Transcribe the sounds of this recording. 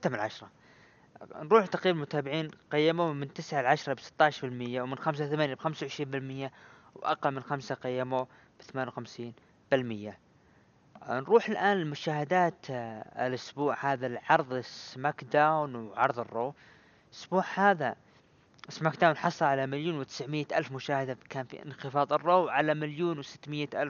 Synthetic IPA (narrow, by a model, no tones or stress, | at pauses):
t̪ːamanlʕaʃɾˤɑ | nɾˤuːħt̪ːaqɾiːbalmʊt̪aːbɪʕiːnqajːɪmumɪnt̪ɪsʕalʕaʃɾˤɑbsɪ̥t̪ːɑːʕʃɾbɪlmɪjːawmɪnxams̬aθamaːnjabxamsawʕɪʃɾiːnbɪlmɪjːa | wʔa̰qɑlmɪnxamsaqɑjːamo | b̥ɪθamaːnawxamsiːn | b̥ɪlmɪjːa | nɾˤuːħɪlʔaːnɪlmʊʃaːhɪd̪aːt̪ɪ̰lʔʊsbuːʕhaːðalʕɑɾˤðˤɪsmakd̪awnwʕɑɾˤðˤɨrːoː | ʔʊsb̥uːʕhaːða | ʔɪsmaːkd̪aːwnħɑsˤɑlʕalamaljuːnwɪt̪ɪ̥sʕmɪjːaʔalfmʊʃaːhɪd̪akaːnfḭʔɪ̰nxɪfɑːðˤɨrːoːwʕalamaljuːnwɪsɪ̥t̪ːmɪjːaʔalf